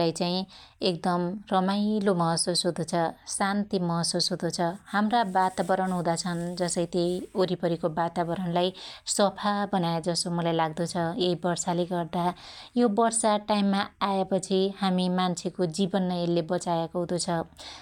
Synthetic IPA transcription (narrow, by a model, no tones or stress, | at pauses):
ajt͡saĩek̚d̪ʌmrʌmajlomʌɦʌsusɦud̪ot͡sʰʌsant̪imʌɦʌsusɦud̪ot͡sʰʌhamrabat̪abʌɾʌɳɦũd̪at͡sʰʌnd͡zʌsʌjt̪ejoɾipʌɾikobat̪abʌɾʌɳlajsʌpʰabʌnajed͡zʌsomʌlajlaɡ̚d̪ot͡sʰʌjeibʌrsaleɡʌrd̪ajobʌrsaʈajmːaaepʌt͡sʰihamimant͡sʰekod͡zibʌnːʌelːebʌt͡sajekoɦud̪ot͡sʰʌ